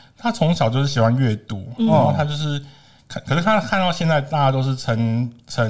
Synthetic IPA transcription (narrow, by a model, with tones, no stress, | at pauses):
t̪ʰa˥t͡sʰʊ˧˦ŋɕjɑ˨ʊt͡ɕjo˥˧ʊʂɻ̩˥˩ɕi˨˩xwa˥˧nɥɛ˥˩t̪u˨˦ə˧˨˩t̪ʰa˥t͡ɕjo˥˧ʊʂ̬ɻ̩˥˩ | kʰkʰʂɻ̩˥˩t̪ʰa˥˩kʰa˥˧nt̪ɑ˥˧ʊɕjɛ˥˧nt͡sa˥˧ɪt̪a˥˧t͡ɕa˥t̪o˥˧ʊʂ̬̩˥˩ʈ͡ʂʰə˧˥ŋʈ͡ʂʰə˧˦